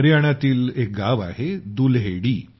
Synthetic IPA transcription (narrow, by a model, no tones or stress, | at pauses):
ɾjaɽ̃at̪iːlek̚ɡaʋa̰ɦed̪ulɦeɽiː